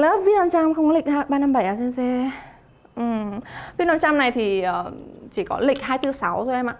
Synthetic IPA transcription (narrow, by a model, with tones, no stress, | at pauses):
ləː˨˦vi˧˥na˧mt͡ɕa˧mxə˧wŋ͡mkɔ˨˦lï˨˩k̟̚haː˧ɓaː˧na˧mɓa˧˩jʔaː˧˨˩sɛ˧nsɛ˧ | ʔɨ˨˩mvi˨˧˦na˧mt͡ɕa˧mna˨˩jt̪ʰi˨˩ʔəː˨˩t͡ɕi˧˩kɔ˨˦lï˨˩k̟̚haː˧jt̪ɨ˧˦sa˨˦wt̪ʰo˧jʔɛ˧mʔaː˧˨˩